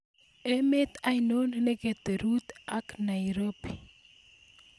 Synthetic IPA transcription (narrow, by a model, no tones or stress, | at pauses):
emet̪ajnonneɡet̪eɾut̪aknajɾopi